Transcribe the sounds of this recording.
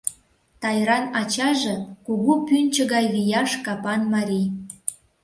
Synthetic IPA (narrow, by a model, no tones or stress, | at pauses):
t̪ɑjɾɑnɑt͡ɕɑʒĕkuɣupynʲt͡ɕə̆ɣɑjlijɑʃkɑpɑnmɑɾʲij